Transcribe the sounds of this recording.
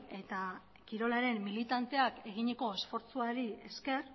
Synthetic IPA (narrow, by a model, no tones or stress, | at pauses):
e̞t̪a | kiɾo̞laɾe̞mːilit̪ant̪e̞ake̞ɣiɲeko̞e̞sfo̞ɾt͡suaɾie̞ske̞r